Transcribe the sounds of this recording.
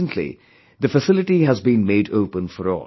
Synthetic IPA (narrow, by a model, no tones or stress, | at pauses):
ə̃ntʰˡlḭ | d̪əfəsɪlɪʈiɦæzbĩnmeɪdoʊpə̃nfəɾɔ̰ːl